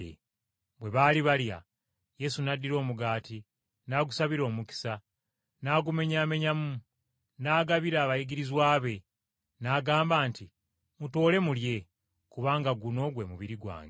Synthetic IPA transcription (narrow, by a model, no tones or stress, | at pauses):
ḛ | bwe̞βaːliβalja̰ | je̞sunadːiɾo̞ːmuɡaːti | naːɡusaβiɾo̞ːmuki̥sa | naːɡume̞ɲaːme̞ɲamu | naːɡaβiɾaːβajiɡiɾizwaːβe̞ | naːɡaːmbaːnti | muto̞ːle̞mulje̞ | kuβaːŋɡaɡuno̞ɡwe̞muβiɾiɡwa̰ːŋɡe